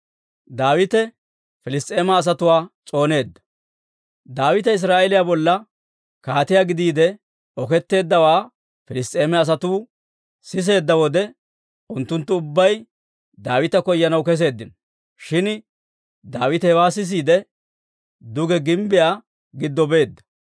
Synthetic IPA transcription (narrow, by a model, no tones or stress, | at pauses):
d̪aːwɪt̪ɛ | fɪlɪst̪ʼe̞ːmɐːs̬ɐt̪ʊwaːt͡sʼo̞ːne̞ːd̪ːɐ̥ | d̪aːwɪt̪ɐɪs̬ɾaːʔɛlɪjabɔlːɐ | kaːt̪ɪjaɡɪd̪iːd̪ɛ | ɔkɛt̪ːe̞ːd̪ːɐwaː | fɪlɪst̪ʼeːmɛɐs̬ɐt̪uː | sɪs̬e̞ːd̪ːɐwɔd̪ɛ | ʊnt̪ːʊnt̪ːʊʊbːɐj | d̪aːwɪt̪ɐkɔjːɐnɐwkɛs̬e̞ːd̪ːɪnɔ | ʃɪn | d̪aːwɪt̪ɛhɛwaːs̬ɪs̬iːd̪ɛ | d̪ʊɡɛɡɪmbɪjaː | ɡɪd̪ːɔbe̞ːd̪ːɐ̥